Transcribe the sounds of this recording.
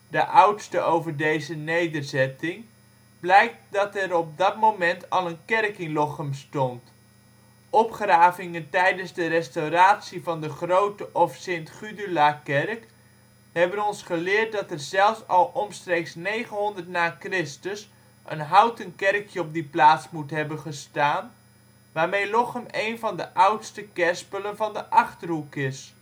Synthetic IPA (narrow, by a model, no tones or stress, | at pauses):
dəʔʌwtstəʔowvəɹdejzənejdərzɛtɪŋ | blɛjk̚t̚dɑtɛɾɔb̚dɑtmowmɛntɑlˠənkɛrkɪŋlɔχəmstɔnt | ɔpχraːvɪŋəntɛjdənzdərɛstowraːtsivɑndəχrowtəʔɔfsentχydylakɛrk | hɛbənɔnsχəlɪːɹt̚dɑtɛrzɛlˠfsɑlˠʔɔmstrejksnejχənɦɔndərtnaːkrɪstəs | ʔə̰nɦawtənkɛrkʰjəɔp̚diplaːtsmutɦɛbənχəstaːn | ʋaːɹmejlɔχəmejnvɑndəʔawtstəkɛspələnvɑndəʔɑχtərɦukɪs